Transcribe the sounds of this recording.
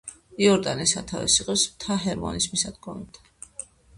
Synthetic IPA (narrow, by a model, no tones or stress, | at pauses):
iɔɾd̪anisat̪ʰavɛ̰siqʼɛpsmt̪ʰaɦɛɾmɔ̰nismisad̪ɡɔmɛb̚t̪ʰḁ